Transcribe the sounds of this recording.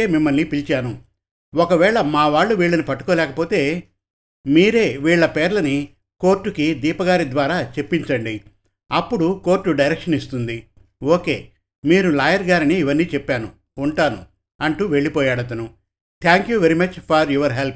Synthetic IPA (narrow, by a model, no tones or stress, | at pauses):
eːmimːɐlnipilt͡ʃaːnu | ɔkɐʋɛːɭɐmaːʋaːɭːuʋiːɭːɐnipɐʈːukɔːlɛːkɐpo̞ːt̪e̞ː | miːɾe̞ːʋiːɭːɐpeːɾlɐni | ko̞ːɾʈːukid̪iːpɐɡaːɾid̪ʋaːɾaːt͡ʃe̞pːiɲt͡ʃɐɳɖi | ɐpːuɽuko̞ːɾʈːuɖɐjɾɛkʂɐnist̪und̪i | oːke̞ː | miːɾulaːjɐɾɡaːɾiniːʋɐnːiːt͡ʃɛpːaːnuː | ɳʈaːnṵ | ɐɳʈuːʋe̞ɭːipɔːjaːɽɐt̪ɐnu | t̪ʰaːŋkjuːʋeɾimɐt͡ʃpʰɐɾjuːʋɐɾɦelp̚